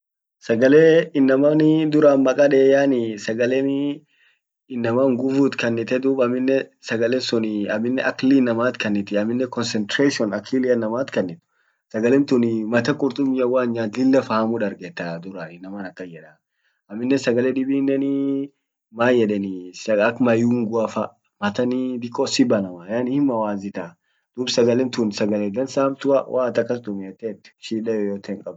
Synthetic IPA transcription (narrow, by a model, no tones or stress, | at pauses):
sɐɡɐleːɪnːɐmanɪd̪ʊɾaːnmɐkʼɐᶑeːjaːnɪsɐɡɐlɛn | ɪnːɐmaːŋɡʊfuːt̪kɐnːɪt̪ɛd̪uːbɐmːɪnːɛsɐɡɐlɛsʊnɪɐmːɪnːɛʔɐkːliːnɐmaːt̪kɐnːɪt̪ɪɐmːɪnːɛkɔnsɛnt̪ɾeːʃɪɔnɐkʰilɪɐnːɐmaːt̪kɐnːɪt̪ʊ̥ | sɐɡɐlɛmt̪ʊnɪmɐt̪ɐkʼʊɾt̪ʼʊmɪjɐwaːnɲaːt̪lɪlːɐfɐhɐmʊᶑɐɾɡɛt̪ːad̪ʊɾɐnɪnɐmanɐkːɐjɛᶑɐ | ɐmːɪnːɛsɐɡɐlɛᶑɪbiːnːɛnɪ | maːjɛᶑɛnɪsɐɐkmɐjuːŋɡʊɐfɐ | mɐt̪ɐnɪd̪ɪkʼːɔsɪbɐnɐmɐjanhɪmːɐwaːzɪt̪a | d̪̥uːbsɐɡɐlɛmt̪unsɐɡɐled̪ɐnsaːmt̪ʊɐ̰wʔaːt̪ɐkːɐst̪ʊmɪɛt̪ːeːt̪ːɪ̥ʃiːᶑɐjɔjoːt̪eŋkʼɐb